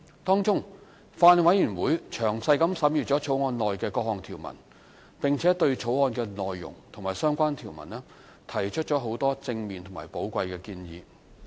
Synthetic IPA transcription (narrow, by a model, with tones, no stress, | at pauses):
t̪ɔː˥ŋt͡sʊ˥ŋ | faː˧n˨wɐ˨˥jyː˨˩nwuː˨˥jt͡ʃʰœː˨˩ŋsɐ˧jkɐ˨˥msɐ˨˥mjyː˨˩t͡sɔː˨˥t͡sʰo˨˥wŋɔː˧nlɔː˨jkɛː˧kɔː˧k̚hɔː˨˩ŋt̪ʰiː˨˩wmɐ̰˨˩n | pɪ˨ŋt͡sʰɛː˨˥t̪ɵ˧ɥt͡ʃʰo˨˥wŋɔː˧nkɛː˧nɔː˨jːʊ̰˨˩ŋt̪ʰʊ˨˩ŋmaː˨jsœː˥ŋkʷaː˥nt̪ʰiː˨˩wmɐ̰˨˩nɛː˥ | t̪ʰɐ˨˩jt͡ʃʰɵ˥t̚t͡ʃɔː˨˥ɦo˨˥wt̪ɔː˥t͡sɪ˧ŋmiː˨nt̪ʰʊ˨˩ŋmaː˨˩jpo˨˥wkʷɐ˧jkɛː˧kiː˧njḭː˨˧